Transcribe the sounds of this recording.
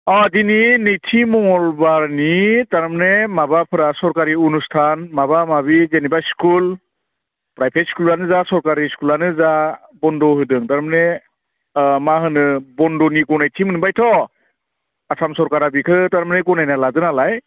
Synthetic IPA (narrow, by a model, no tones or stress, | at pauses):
ɔdininejtʰimɔŋɔlbaɾnitaɾmanemabapʰɯɾasɔɾkaɾiunustʰanmabamaβizenibaskul | pɾajpʰet̚skulanɯzasɔɾkaɾiskulanɯza | bɔndɔhɯdɯŋtaɾmane | maɦɯnɯbɔndɔniɡɔnajtʰimɯnɯbajtʰɔ | asamsɔɾkaɾabikʰɯtaɾmaneɡɔnajnaladɯnalaj